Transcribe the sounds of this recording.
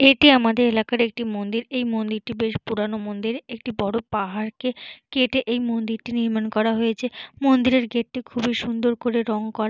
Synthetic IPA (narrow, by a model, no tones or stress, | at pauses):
eʈiamad̪eɾelakaɾek̚ʈimond̪iɾejmond̪iɾʈibeʃpuɾanomond̪iɾek̚ʈibɔɽopaɦaɾkekeʈeʔejmond̪iɾʈiniɾmankɔɾaɦojet͡ɕʰemond̪iɾeɾɡeʈ̚ʈːikʰubʱiʃund̪oɾkoɾeɾɔŋkɔɾa